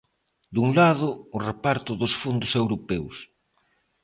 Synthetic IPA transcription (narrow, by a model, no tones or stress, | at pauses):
d̪uŋlað̞ʊːrepaɾt̪ʊðʊsfond̪ʊsewɾopɛws